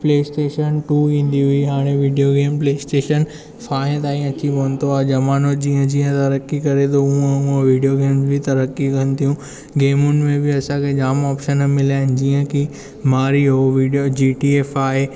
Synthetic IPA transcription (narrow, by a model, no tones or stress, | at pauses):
pleːsʈeːʃənʈuːʋĩːn̆d̪iɦuiɦaːɽ̃eʋiːɖijoɡeːmpleːsʈeːʃən | faːɪ̃t̪aːĩɐt͡ɕʰipɐnɪ̆t̪ʰoaːd͡ʑɐmaːnod͡ʑĩːə̃d͡ʑĩːə̃t̪ɐɾəkːikɐɾet̪ʰoʊə̃ʊə̃ʋiːɖijoɡeːmzbʱɪt̪ɐɾəkːikɐnɪ̆t̪ʰijũ | ɡeːmʊnɪ̆mẽbɪɐsãkʰed͡ʑaːmɔːpʃənmɪlaːɪnɪ̆d͡ʑĩːə̃kʰi | maːɾiɦoʋiːɖjod͡ʑiːʈieːfaːɦe